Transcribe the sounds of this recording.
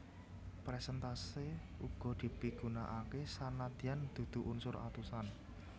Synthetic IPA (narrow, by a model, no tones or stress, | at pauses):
pɾɛsɛnt̪aseuɡ̥ɔ̤d̪̥i̤piɡ̥ṳnaʔakesanad̪iand̪̥ṳd̪̥ṳʔunsʊɾa̰t̪usan